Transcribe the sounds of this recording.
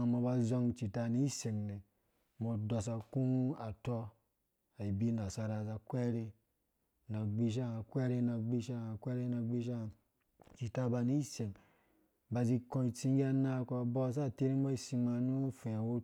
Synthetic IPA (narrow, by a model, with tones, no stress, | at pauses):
mɔ˧ba˧zɔ˧ŋt͡ʃi˨ta˧ni˦se˨ŋne˨ | mo˨dɔ˧s̬a˨kũ˦a˨tɔ˧ | a˨i˨bi˦na˨sa˧ɾa˨za˧kʷɛ˦ɾe˧ | na˨ɡ͡bi˧ʃ̬a˦˨a˨kʷɛ˦ɾe˦na˨ɡ͡bi˧ʃa˦˨a˨kʷɛ˦ɾe˦na˨ɡ͡bi˦ʃ̬a˦˨ | t͡ʃi˨ta˧ba˧ni˦se˨ŋ | ba˧zi˧kõ˧i˨t͡si˧ŋɡi˦a˧na˧ko˧˨bɔ˦s̬a˦˨te˦ɾi˦o˦i˦˨si˧ma˧nu˦fɛ˨wo˦